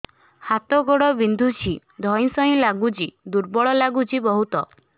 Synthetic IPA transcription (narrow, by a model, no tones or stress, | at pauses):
hat̪ɔɡɔɽɔbind̪ʱut͡ʃʰi | d̪ʱɔj̃sɔĩlaɡud͡ʒid̪uɾbɔɭɔlaɡut͡ʃʰibɔɦut̪ɔ